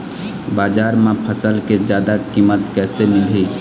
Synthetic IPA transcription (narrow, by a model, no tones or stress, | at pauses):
baːd͡ʒaːɾmẽpʰəsəlkezjaːd̪akiːmət̪kɛːsemɪlɦi